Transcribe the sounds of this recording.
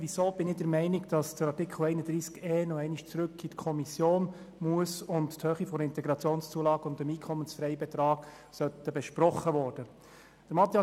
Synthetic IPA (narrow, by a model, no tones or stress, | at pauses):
ʋisoːb̥ɪnɪdəɾmɛɪnɪɡd̥ɑsd̥əɾɑrtɪkʰl̩ˠɛɪnədɾiːskeːnɔɛɪniʃt͡sɾɵkʰːitkʰɔmisjoːn | muəsʊntthøːχifɔɾɪnt̪ɛɡɾɑt͡sjoːnst͡suəlɑːɡ̥ʊndəmiːkʰɔmːənsfɾɛɪbɛt̪ɾɑːɡ̥ | sœt̪ːəbɛʃpɾɔχːəʋɔːrd̥ə | d̥əɾmɑt̪ːiɑ